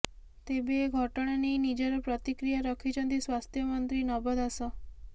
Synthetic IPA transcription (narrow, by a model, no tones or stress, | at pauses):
t̪ebeːɡʱɔʈɔɽ̃anejnid͡ʒaɾɔpɾɔt̪ikɾijaɾɔkʰit͡ʃʰɔnt̪iswast̪ʰjɔmɔnt̪ɾinɔbɔd̪asɔ